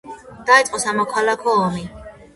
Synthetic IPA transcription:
d̪̥ait̪sʼqʼɔsamɔkʰalakʰɔːmi

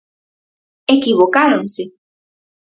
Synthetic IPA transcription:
ekiβokaɾõŋse

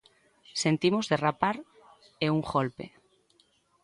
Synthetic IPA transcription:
sent̪imozðerapaɾ | euŋɣolpḛ

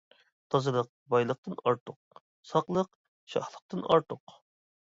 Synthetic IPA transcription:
t̪ʰɑzɨlˠəq̚ | bɑjlˠəq̚t̪ɨnɑɾt̪ʰʊq̚ | sɑqlˠəq | ʃɑ̰hlˠəq̚t̪ɨnɑ̰ɾt̪ʰʊq

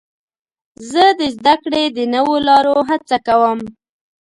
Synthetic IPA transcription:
zəd̪əzd̪akɽed̪ənəwolɑɾoɦat͡sakawəm

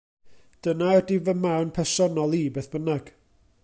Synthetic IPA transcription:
d̥ənaədivəmawnpʰɛsɔnɔlˠiːbeːθb̥ənaɡ̥

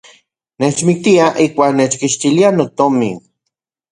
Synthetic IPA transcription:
neːt͡ʃmik̚t̪iaʔikʷaːknet͡ʃkiʃt̪ilianot̪omḭn

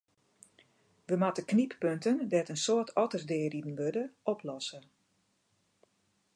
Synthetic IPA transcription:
ʋəmatəknipːøntəndɛtənsoətʰɔtərsdɪːəridn̩ʋødəʔɔpʰlɔsə

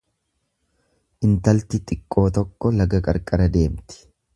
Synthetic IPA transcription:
ʔɪnt̪ɐlt̪ɪt̪ʼɪkʼːo̞ːt̪ɔkːɔlɐɡɐkʼɐ̰ɾkʼɐɾɐd̪e̞ːmt̪ɪ̥

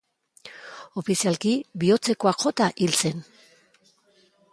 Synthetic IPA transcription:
o̞fisialkibio̞t͡se̞ko̞akʝo̞t̪aʔilt͡se̞n

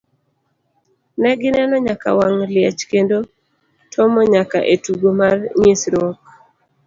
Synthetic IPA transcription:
nɛɡɪnɛnɔɲaka̰waŋlɪjat͡ʃkendo | tʰɔmɔɲaka̰ʔetuɡomarɲisɾɔk̚

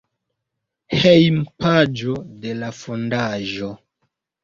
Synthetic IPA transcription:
hejmpad͡ʒode̞lafondaʒo

